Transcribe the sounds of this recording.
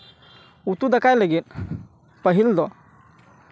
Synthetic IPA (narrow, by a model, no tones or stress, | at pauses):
ut̪ud̪əkajləɡit̪̚ | pəɦild̪ɔ